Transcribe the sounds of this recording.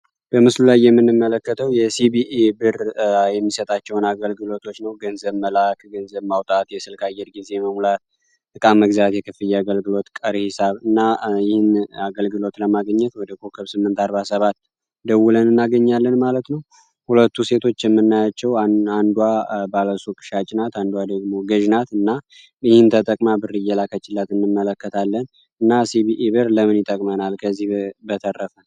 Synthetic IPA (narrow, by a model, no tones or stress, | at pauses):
b̥əmɨslulajːɛmːɨnːɨmːələkːət̪ʰəwjɛsibiʔebɨɾjɛmːisət̪ʼat͡ʃːɛwnaɡəlɡɨlo̞t̪ʰo̞t͡ʃːnəwɡənzəβməlakɡənzəβmawt̪ʼat̪jɛsɨlkʰajːɛɾɡize̞məmulat̪ | ɨkʼaməɡzat̪jɛkʰɨfɨjɛaɡəlɡɨlo̞t̪kʼəɾhisaβɨnːajɪhɪnaɡəlɡɨlo̞t̪ləmaɡəɲːɛt̪wɔd̪əkʰokʰəβsɨmːɨnt̪aɾβasəβat̪ | d̪əwulənɨnːaɡəɲːalːənmalət̪nəw | hulət̪ːuse̞t̪ʰo̞t͡ʃːjɛmːɨnːajat͡ʃːɛwaand̪wabaləsukʼɨ̥ʃat͡ʃʼɪnat̪and̪uwad̪əɡmo̞ɡəʒnat̪ɨnːa | jɪhɪnt̪ʰət̪ʼəkʼmabɨrɨjːɛlakʰət͡ʃːɪlːat̪ɨnːɨmːələkːət̪ʰalːən | ɨnːasiβiʔiβəɾləmɨnjɪt̪ʼəkʼmənalkʰəzːihbət̪ʰərːəfən